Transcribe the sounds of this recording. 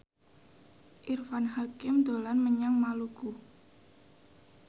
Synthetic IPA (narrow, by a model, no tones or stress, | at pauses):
ʔirfanɦakɪmd̪o̤lanməɲaŋmaluɡu